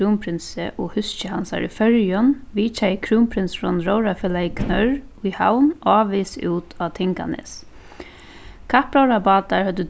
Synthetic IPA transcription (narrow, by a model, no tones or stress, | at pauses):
uːmpʰɾɪnsɪʔɔhʏst͡ʃɪhansa̰ɹḭfœɾjɔnʋiːt͡ʃajkʰɾuːmpʰɾɪnsɾɔnɾowɾafɪlakʰnœɾʊjha̰wnɑːʋɪsuːt̪ʰaːt̪ʰɪŋka̰nɪ̰s | kʰahpɾawɾapaːt̪aɹhœt̪ːə